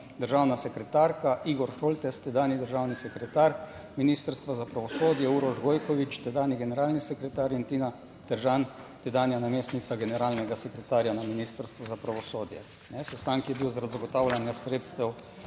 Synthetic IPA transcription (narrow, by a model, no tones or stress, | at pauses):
d̪əɾʒaːwnasɛkɾɛt̪aɾkaʔiɡɔɾʃoːlt̪ɛst̪ɛd̪aːnid̪əɾʒaːwnisɛkɾɛt̪aːɾ | miniːst̪əɾst̪ʋazapɾaʋɔsoːd̪jɛuɾɔʒɡojkɔʋit͡ʃt̪ɛd̪aːniɡɛnɛɾaːlnisɛkɾɛt̪aːɾint̪iːna | t̪əɾʒant̪ɛd̪aːnjanameːst̪nit̪saɡɛnɛɾaːlnɛɡasɛkɾɛt̪aːɾjanaminiːst̪əɾst̪ʋɔzapɾaʋɔsoːd̪jɛ̰ | nɛsɛst̪aŋkjɛbiwzaɾad̪zaɡɔt̪awlanjasɾeːt̪st̪ɛw